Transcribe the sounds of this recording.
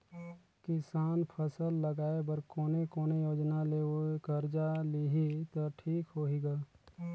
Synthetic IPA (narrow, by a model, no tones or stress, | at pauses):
kɪsaːnpʰəsəlːɐɡaːebəɾkoːnekoːnejoːd͡ʒnaleːokəɾd͡ʒaliɦit̪oʈʰiːkɦoːɦiɡaː